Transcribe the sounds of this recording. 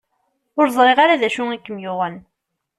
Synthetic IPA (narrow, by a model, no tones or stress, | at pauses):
ʊɾzˤɾˤeʁaɾaðæʃuŋækːəmjʊʁəl